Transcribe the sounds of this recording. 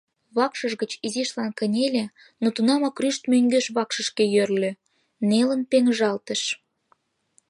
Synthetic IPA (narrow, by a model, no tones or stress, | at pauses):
βɑkʃəʒɣət͡ɕiziʃlɑnkənʲelʲe | not̪unɑmɑkryʃt̪møŋɡeʃβɑkʃəʃkejørlʲø | nelənpeŋʒɑlt̪ə̆ʃ